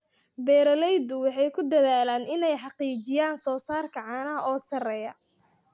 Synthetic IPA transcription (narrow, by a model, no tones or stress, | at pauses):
bɛːɾɐlɛjd̪ʊwɑħɑjkʰʊd̪ɐðaːlaːnɪnɛjħɑqiːt͡ʃɪjaːnsɔːsaːrkʰɐʕɑːnɐɔːsɐrɛjɐ